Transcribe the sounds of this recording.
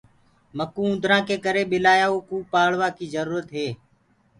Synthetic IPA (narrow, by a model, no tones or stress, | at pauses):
məkũːʊ̃nd̪ʱɾãːkeːkəɾeːɓɪlaːjaːuːkuːpaːɭʋaːkiːzəɾuːɾət̪ɦeː